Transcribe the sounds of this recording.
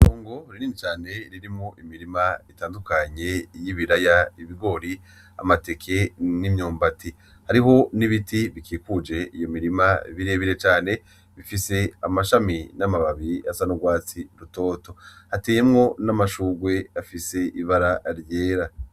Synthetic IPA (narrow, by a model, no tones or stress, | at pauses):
oːŋɡoɾiniːnit͡ʃaːne̞ɾiɾimoʔimiɾimaitaːndukaɲe̞jiβiɾajaiβiɡo̞ɾi | a̰mate̞kʰe̞nimɲoːmbati | haɾiɦo̞niβitiβikiːkud͡ʒe̞ijo̞miɾimaβiɾe̞ːβiɾe̞t͡ʃaːne̞ | βifise̞amaʃaminamaβaβia̰sanuɡwaːt͡siɾuto̞ːto̞hateːjemŋo̞namaʃuːɡwe̞afise̞ʔiβaɾaɾje̞ːɾa